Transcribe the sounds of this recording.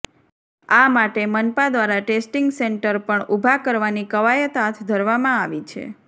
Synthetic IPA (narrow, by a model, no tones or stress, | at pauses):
amaʈemənpad̪ʋaɾaʈesʈiŋɡseɳʈəɾpəɳubʱakəɾʋanikəʋajət̪at̪ʰd̪ʱəɾʋamãaʋit͡ʃʰḛ